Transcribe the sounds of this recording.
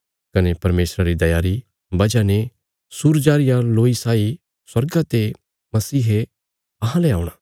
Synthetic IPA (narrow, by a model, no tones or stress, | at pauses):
kɐnepɐɾmeːsɾaɾid̪ɐjaːɾi | bɐd͡ʒane | suːɾd͡ʒaːɾɪjãloːisaːi | swɐɾɡat̪e | mɐsiːɦe | ɐɦãleaːuɽ̃aː